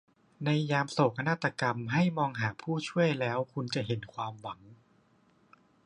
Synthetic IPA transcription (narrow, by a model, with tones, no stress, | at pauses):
na˧jːaː˧mso˨˩kʰa˧naː˦˥˩t̪ːa˧ka˧mɦa˥˩jmɔː˧ŋɦaː˩˦pʰuː˥˩t͡ɕʰu˥˩əjlɛː˦˥wkʰu˧nt͡ɕa˨˩ɦe˩˦nkʰwaː˧mwa˩˦ŋ